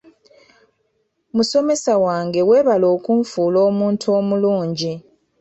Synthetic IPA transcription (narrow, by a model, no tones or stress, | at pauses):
muso̞me̞sawaːŋɡe̞we̞ːβalo̞ːkuɱfuːlo̞ːmuːntʰo̞ːmuluːɲɟi